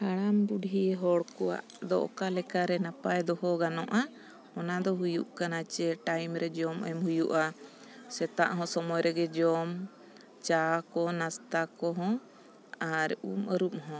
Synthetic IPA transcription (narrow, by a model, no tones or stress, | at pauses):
haɽ̃ambuɖʱiɦɔɽkɔwa̰ʔ | d̪ɔ̰ʔkalɛkaɾɛnapajd̪ɔɦɔɡanɔʔa | ɔnad̪ɔɦujṵʔkanat͡ʃɛʈajmɾɛd͡ʒɔməmhujuʔa | sɛt̪aʔɦɔ̃sɔmɔjɾɛɡɛd͡ʒɔm | t͡ʃakɔnast̪akɔɦɔ̃ | aɾuməɾup̚ɦɔ̃